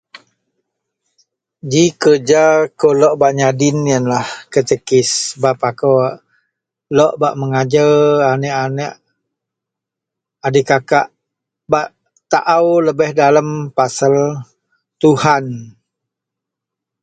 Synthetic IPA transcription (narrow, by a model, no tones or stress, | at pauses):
d͡ʒikərd͡ʒakolɔʔbaʔɲadɪnjanlahkət͡ʃəkɪsbapako | lɔʔbaʔməŋad͡ʒəanəʔanəʔ | adikakaʔ | baʔ | t̪aʔawləbɛhdalampasal | t̪uhan